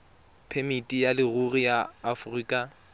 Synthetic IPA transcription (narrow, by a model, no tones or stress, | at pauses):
pʰemitʼijalɪrurijaːfʊriːkʼa